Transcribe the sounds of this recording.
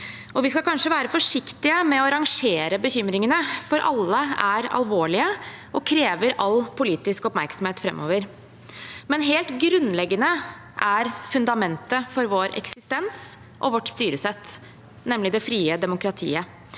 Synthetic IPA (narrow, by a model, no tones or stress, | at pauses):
ɔʋɪskɑkʰɑnʂəʋæːɾəfɔʂɪkt̪ɪəmɛɔɾɑŋʂeːɾəbəçʏmɾɪŋənəfɔɾʔɑ̰lːəæɾɑ̰lʋoːɭɪə | ʔɔkʰɾeːʋəɾɑlːpʰʊliːt̪ɪskɔpmæɾksɔm̩heːt̪fɾɛ̰mːʔo̰ːʋəɾ | mɛnɦeːlt̪ɡɾʉnlɛɡːənə | ʔæɾfʉnd̪ɑmɛnt̪əfɔɾʋoːɾɛ̰ksɪst̪ɛns | ʔɔ̰ʋɔʈːst̪yːɾəsɛt̪ː | nɛmːlɪd̪ɛfɾiːəd̪ɛmʊkɾɑt̪ʰḭːə